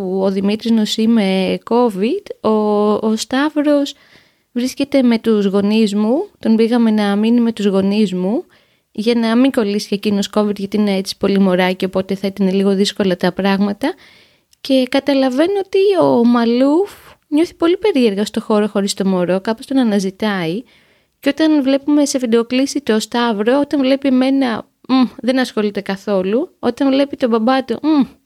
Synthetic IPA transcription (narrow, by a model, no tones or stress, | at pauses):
uoðimit̪ɾiznosime̞ko̞vid̪̥oːst̪ɐvɾo̞s | vɾisce̞t̪e̞me̞t̪uzɣo̞nizmut̪o̞nbiɣɐme̞nɐminime̞t̪uzɣo̞nizmu | ʝɐnɐmiŋɡo̞lisi̥ecino̞sko̞vid̪ʝɐt̪iine̞et͡si̥po̞limo̞ɾɐceopo̞t̪e̞θɐit̪ɐne̞liɣo̞ðisko̞lɐt̪ɐpɾɐɣmɐt̪ɐ | ce̞kɐt̪ɐlɐve̞noot̪iomɐlufɲo̞θi̥po̞lipe̞ɾie̞ɾɣɐst̪o̞xo̞ɾo̞xo̞ɾist̪o̞mo̞ɾo̞kɐpo̞st̪o̞nɐnɐzit̪ɐi | ceo̞t̪ɐnvle̞pume̞sefid̪oklisit̪o̞st̪ɐvɾoo̞t̪ɐɱvle̞pieme̞nɐ | ðe̞nɐsxo̞lit̪e̞kɐθo̞luo̞t̪ɐɱvle̞pit̪o̞bɐbɐt̪ou